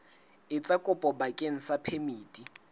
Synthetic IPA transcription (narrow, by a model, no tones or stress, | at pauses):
ɪt͡sʼakʼʊpʼɔbakʼeŋ̩sapʰemiːtʼi